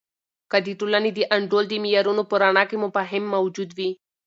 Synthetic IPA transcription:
kad̪iʈ̪ulanid̪iʔɐɳɖold̪imijaɾunopoɾaɳakemʊpaɦɪmːawd͡ʒud̪wi

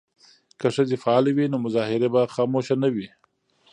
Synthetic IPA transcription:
kaʂədefaɑlawinomʊzɑhɪɾebaxɑmoʃanawi

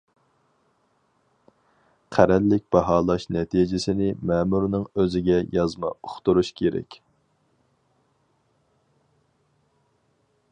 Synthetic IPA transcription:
qʰæɾɛlːɪk̚ʲb̥ɑɦɑːlˠɑʃnɛt̪ʰid͡ʒɪsɪnɪmɛːmuɾnɨŋøzɪɡʲɛjɑzmɑ̰oχt̪uɾuʃkʲʰeɾɛ̰kʲ

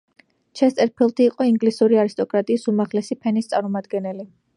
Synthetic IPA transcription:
t͡ʃʰɛst̪ʼɛɾpʰilˠt̪ʰiːqʼɔiŋɡlisuɾiaɾist̪ʼɔkʼɾat̪ʼiːsumaʁlɛsipʰɛnist̪sʼaɾmɔmad̪ɡɛnɛli

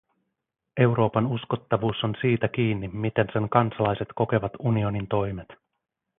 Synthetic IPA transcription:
e̞wɾo̞ːpɑnusko̞t̪ːɑʋuːso̞nsiːt̪æk̟iːnːimːit̪e̞nse̞ŋkɑnsɑlɑjse̞t̪ko̞ke̞ʋɑt̪unio̞nint̪o̞jmet̪

